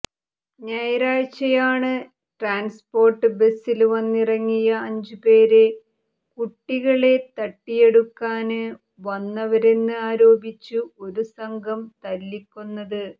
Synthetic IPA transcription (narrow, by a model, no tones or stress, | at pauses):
ɲɐjɐɾaːɻt͡ɕːɐjaːɳɨ | ʈraːnspo̞ːrʈːɨbe̞silʋɐnːirɐŋːijɐːɲd͡ʑupe̞ːɾe | kuʈːiɣɐɭe̞t̪ɐʈːije̞ɽukːaːnɨ | ʋɐnːɐʋɐɾenːɨaːɾo̞ːbit͡ɕːuo̞ɾusɐŋɡʱɐmt̪ɐlːikʲːunːɐðɨ